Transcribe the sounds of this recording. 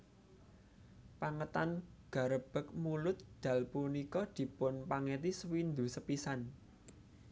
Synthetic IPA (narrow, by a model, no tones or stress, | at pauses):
paŋət̪anɡ̥ä̤ɾəb̥ə̤k̚mulʊt̪̚d̪̥a̤lpunikɔd̪̥i̤pʊnpaŋɛt̪iswind̪usəpisan